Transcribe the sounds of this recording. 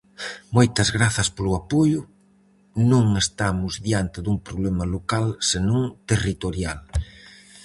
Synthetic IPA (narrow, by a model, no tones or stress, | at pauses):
mojt̪ɐzɣɾaθɐspolʊapojʊ | nõŋest̪amʊzðjant̪ɪðuŋpɾoβlɛmɐlokalsenõŋt̪erit̪oɾjal